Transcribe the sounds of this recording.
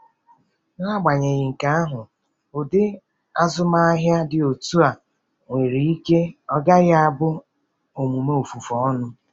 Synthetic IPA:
ŋa˦ɡ͡ba˨ɲe˨ɣɪ˨ŋ̩˨ka˦a˦ɦʊ˨ | ʊ˨dɪ˦ | a˦zʊ˦ma˦a˦ɦja˦dɪ˨o˨tu˦a˨ | ŋʷe˨ɾi˨i˦ke˦ɔ˦ɡa˦ɣɪ˦a˦bʊ˦ | o˨mu˨me˦o˨fu˨fɔ˨ɔ˦nʊ˦

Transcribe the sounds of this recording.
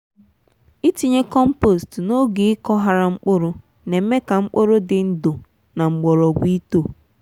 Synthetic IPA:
i˦ti˨ɲe˦kɔ˦m̩˦po˦˨stno˦ɡe˨ɪ˦kɔ˦ɦa˨ɾa˨ŋ͡m̩˦k͡pʊ˦ɾʊ˦ | ne˨m̩˦me˦ka˨ŋ͡m̩˦k͡po˦ɾʊ˦dɪ˨n̩˦dʊ˨ | na˨ŋ͡m̩˨ɡ͡bɔ˨ɾɔ˨ɡʷi˦to˦˨

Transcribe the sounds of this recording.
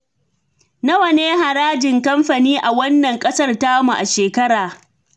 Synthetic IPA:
na˦wɐ˨neː˦ɦa˨ɾaː˦d͡ʒɪ˨ŋkɐ˦mɸa˨niː˦ʔa˨wɐ˦nːɐ˨ŋkʼɐ˦sɐ˦rtaː˦mu˨ʔa˨ʃeː˨kɐ˦ɾaː˨

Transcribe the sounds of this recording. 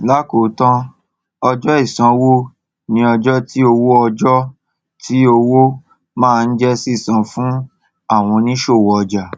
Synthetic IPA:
la˦ko˨˦tã˦ | ɔ˧d͡ʒɔ˦i˦˨sã˧wo˦ | nĩ˧ɔ˧d͡ʒɔ˦tʰi˦o˧wo˦ɔ˧d͡ʒɔ˦ | ti˦o˧wo˦ | mãː˦˧n̩˦d͡ʒɛ˦si˦˨sã˨˧fũ˦ | a˦˨w̃ɔ̃˧nĩ˦ʃo˦˨wɔ˨ɔ˧d͡ʒa˨

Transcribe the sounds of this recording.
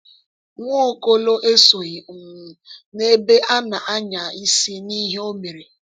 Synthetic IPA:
ŋʷo˦˨ko˦lo˦ʔe˦so˨ɣi˨m̩˨ne˦be˦ʔa˦na˨ʔa˦ɲa˨i˦si˦ni˦ɦe˦o˦me˨ɾi˨

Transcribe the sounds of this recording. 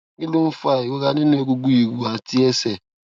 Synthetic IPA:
ŋi˦lu˦m̩˦fa˦˨i˨wo˦k̬a˦ni˦n˦e˦k̬u˦ɡu˦ji˨k̬u˨a˨tʰʼi˦ɛ˦sɛ˨

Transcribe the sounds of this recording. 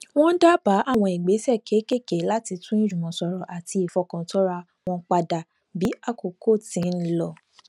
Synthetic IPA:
w̃ɔ̃˦n̩˦da˦b̥a˨˦ʔa˦˨w̃ɔ̃˧i˨ɡ͡be˨˦sɛ˦˨ke˨˦ke˦˨ke˨˦la˦ti˧tũ˦ĩ˦ɾũ˨mɔ̃˨sɔ˨˧ɾɔ˨ʔa˨ti˧i˨fɔ˧kã˨˦tɔ˦ɾa˦˧ | w̃ɔ̃˧˦k͡pa˧da˨ | bi˨˦a˦˨ko˨ko˦˨tĩ˨˦lɔ˧

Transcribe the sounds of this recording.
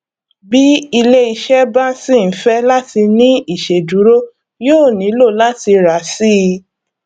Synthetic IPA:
bi˦i˧le˦i˧ʃɛ˦ba˦sĩ˦˨n̩˨˦fɛ˦la˦ti˧nĩ˦i˦˨ʃe˨du˨˦ɾo˦ | joː˦˨nĩ˨˦lo˦˨la˦ti˧ɾa˨˦si˦˧

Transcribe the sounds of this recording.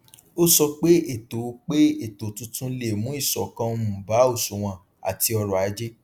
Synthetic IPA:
o˦sɔ˧k͡pe˦e˦˨to˨˦k͡pe˦e˨to˨tũ˦tũ˦le˨mũ˦i˦˨sɔ˨kã˧˦mũ˨ba˨˦o˦˨su˨w̃ã˨ | a̰˨ti˧ɔ˧ɾɔ˨a˨˦d͡ʒe˦

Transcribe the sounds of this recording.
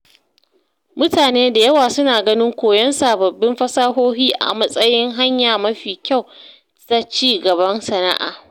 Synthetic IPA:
mʊ˦taː˨neː˦da˨jɐ˦waː˨sʊ˦naː˨ɡɐ˦nɪ˦ŋkʷoː˨jɐ˦nsaː˨bɐ˨bːɪ˦mɸɐ˦saː˦ɦoː˦ɦiː˦ʔa̰˨mɐ˦sʼɐ˦jɪ˦ŋɦa˦ɲjaː˨mɐ˦ɸiː˨kʲa˦˨w | ta˦t͡ʃiː˦˨ɡɐ˨bɐ˦nsɐ˨na̰˦ʔa̰ː˨

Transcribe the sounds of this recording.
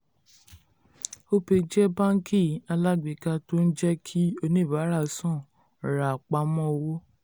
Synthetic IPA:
o˦pe˨˧d͡ʒɛ˦bã˦ŋ˦kʰi˦˨˦a˧la˦˨ɡ͡bi˨ka˧to˦n̩˦d͡ʒɛ˦kʰi˦o˧nĩ˦˨ba˨˦ɾa˦˨sɔ̃˦˨ | ɾa˨k͡pa˨˦mɔ̃˦o˧wo˦

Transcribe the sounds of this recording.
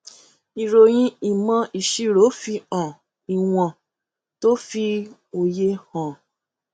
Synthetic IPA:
i˨ɾo˨j̃ĩ˦i˦˨mã˧i˨ʃi˦˨ɾo˨˦fi˧ã˨ | i˨w̃ɔ̃˧˨ | to˦fi˧o˧˨je˧hɔ̃˨

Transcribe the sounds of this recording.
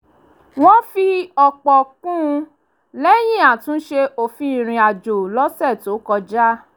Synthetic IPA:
w̃ɔ̃˦fi˧ɔ˧k͡pɔ˧kũ˦˧ | lɛ˦j̃ĩ˦˨a˨tũ˨˦ʃe˧o˦˨fi˦˨ɾ̃ĩ˧a˨d͡ʒo˨lɔ˦sɛ˦˨to˨˦kɔ˧d͡ʒa˦

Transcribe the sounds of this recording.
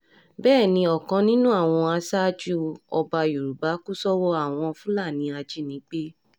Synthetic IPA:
bɛː˦˨nĩ˧ɔ˨kã˧nĩ˦nũ˦a˦˨w̃ɔ̃˧a˧sa˦d͡ʒu˦ɔ˧ba˧ju˨ɾu˨ba˨˦ku˦sɔ˦wɔ˦a˦˨w̃ɔ̃˧fũ˦la˦˨nĩ˧˦a˧d͡ʒi˦nĩ˨˦k͡pe˦

